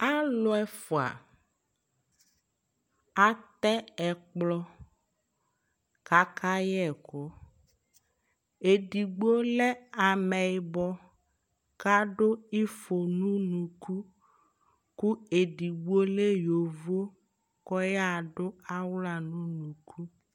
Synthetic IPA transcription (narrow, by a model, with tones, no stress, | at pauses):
a˦lɔ˦ɛ˦fo˨a̰˨ | a˦t̪ɛ˦ɛ˨k͡plɔ˦ | ka˨kʰa˦jɛ˦ɛ˨kɔ˦ | e˨ɖi˨ɡ͡bo˦lɛ˦a˨mɛ˨bɔ˦ | ka˦ɖo˦i˦fo˨nũ˦nũ˨kʰu˦ | ku˦e˨ɖi˨ɡ͡bo˦le˦jo˨vo˦ | kɔ˦ja˦˨ɖo˦a˦wla˨nũ˦nũ˨kʰu˦